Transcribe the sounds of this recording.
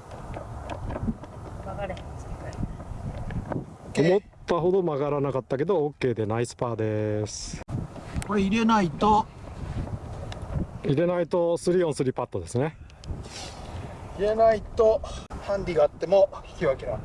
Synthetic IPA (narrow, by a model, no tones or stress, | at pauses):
aɡaɾ | omo̞tt̪ːaɦo̞d̪o̞maɡaɾanakat̪ːake̞d̪o̞ːkːe̞ːd̪e̞naisɨ̥paːd̪e̞sɨ̥koeiɾe̞nait̪o̞ | iɾe̞nait̪o̞sɨɾʲiõ̞ɰ̃sɨɾʲipat̪ːod̪e̞sɨne | iɾe̞nait̪ohãnd̪ʲiɡaːt̪ːe̞moi̥kʲiβakeɾa